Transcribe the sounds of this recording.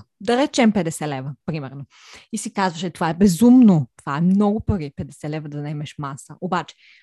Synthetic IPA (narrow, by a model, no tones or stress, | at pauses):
d̪ɐɾɛt͡ʃɛmpɛd̪ɛsɛlɛvəpɾimɛɾno | isikazvɐʃɛt̪ovaɛbɛzumnot̪ovaɛmnɔɡʊpəɾipɛd̪ɛsɛlɛvəd̪ɐnɛmɛʃmasɐʔobat͡ʃɛ̥